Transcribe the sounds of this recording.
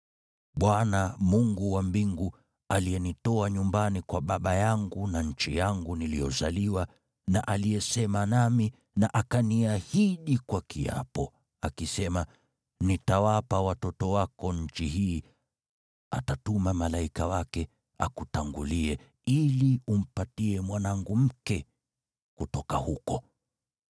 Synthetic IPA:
ɓwanamuŋɡuwambiŋɡu | aliɛnitɔaɲumbanikwaɓaɓajaŋɡunaɲ̩t͡ʃijaŋɡunilijɔzaliwa | naʔalijɛsɛmanami | naʔakaniahiɗikwakia̰pɔ | akisɛma | nitawapawatɔtɔwakɔɲ̩t͡ʃihiː | a̰tatumamalaikawakɛ | a̰kutaŋɡuliɛ | ilium̩patiɛmwanaŋɡum̩kɛ | kutɔkahukɔ

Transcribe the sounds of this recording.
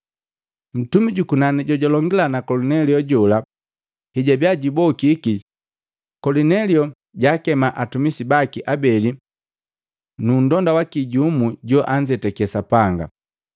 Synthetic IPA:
n̩tumiɟukunaniɟɔɟɔlɔŋɡilanakɔlunɛliɔɟɔla | hiɟabjaɟibɔkiki | kɔlinɛliɔ | ɟakɛmaʔatumisibakiʔabɛli | nundɔndawakiɟumuɟɔʔaɲd͡ʒɛtɛkɛsapaŋɡa̰

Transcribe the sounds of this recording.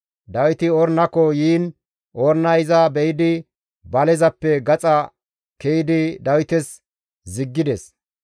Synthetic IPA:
d̪ɐwɪt̪ɪɔɾnɐkɔjiːn | ʔɔɾnɐjɪzɐbɛjɪd̪ɪ | bɐlɛzɐpːɛɡɐt͡sʼɐ | kɛjɪd̪ɪd̪ɐwɪt̪ɛs | zɪɡːɪd̪ɛs

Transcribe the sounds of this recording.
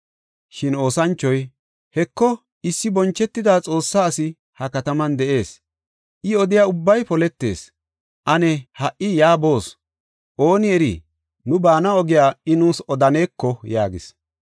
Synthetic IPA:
ʃɪno̞ːsɐnt͡ʃːɔj | hɛkːɔ | ɪsːɪbɔnt͡ʃːɛt̪ːɪd̪aːt͡sʼo̞ːsːaːsɪ | hɐkɐt̪ɐmɐnd̪ɛʔe̞ːs | ʔɪɔd̪ɪjaːʊbːɐjpɔlɛt̪ːe̞̰ːs | ʔɐnɛhɐʔʔːɪjaːbo̞ːs | ʔo̞ːnɪɛɾḭ | nʊbaːnɐɔɡɪjaːɪnuːsɔd̪ɐne̞ːkʰːɔjaːɡɪ̰s

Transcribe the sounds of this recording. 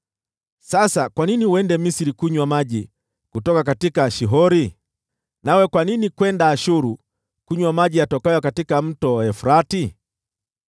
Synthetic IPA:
sasakwaniniwɛndɛmisiɾikuɲwamaʄi | kutɔkakatikaʃiɦɔɾi | nawɛkwaninikwɛndaːʃuɾu | kuɲwamaʄijatɔkajɔkatikam̩tɔɛfuɾati

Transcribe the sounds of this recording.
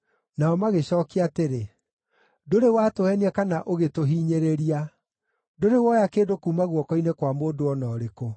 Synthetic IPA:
naɔmaɣeɕɔːkiateɾe | doɾewatoɛniɛkanaʔoɣetoɦiːɲeɾeɾia | doɾewɔjakeːdokuːmaɣwɔkɔinekwamoːdoɔnɔːɾeko

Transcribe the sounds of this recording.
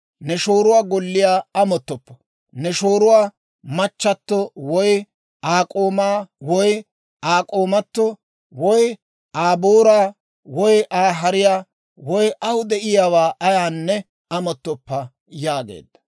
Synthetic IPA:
nɛʃoːɾʊwaːɡɔlːɪjaːɐmɔt̪ːɔpːɐ̥ | nɛʃoːɾʊwaː | mɐt͡ʃːɐt̪ːɔwɔj | aːkʼoːmaːwɔj | aːkʼoːmɐt̪ːɔ | wɔj | ʔaːboːɾaː | wɔjʔaːɦɐɾɪjaː | wɔjʔɐwd̪ɛʔɪjaːwaːʔɐjaːnːɛ | ɐmɔt̪ːɔpːɐ | jaːɡḛːd̪ːɐ̥

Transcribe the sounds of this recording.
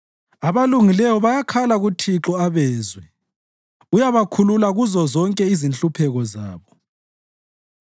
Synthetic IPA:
aβaluŋilɛwɔβajakʰalaɣutʰiǁɔaβɛːzwɛ | ujaβakʰululaɣuzɔzɔŋkʼɛizinɬupʰɛɣɔzaːβɔ

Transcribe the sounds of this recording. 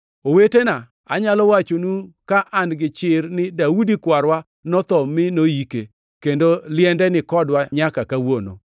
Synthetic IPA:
owetena | aɲalɔwat͡ʃonukaʔanɡɪt͡ʃɪrnɪdaudikwaɾwa | nɔt̪ɔmɪnojike | kendolɪjɛndɛnɪkɔdwaɲakakawono̰

